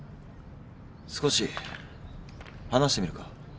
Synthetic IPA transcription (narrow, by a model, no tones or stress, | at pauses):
sɨ̥ko̞ɕi | hanaɕi̥t̪emiɾɯ̟ka